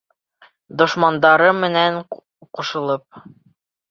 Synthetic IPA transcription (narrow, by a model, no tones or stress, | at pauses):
d̪ŏʃmɑnd̪ɑɾɤmɘ̆næɴ | quʃɤ̆lˠɤp̚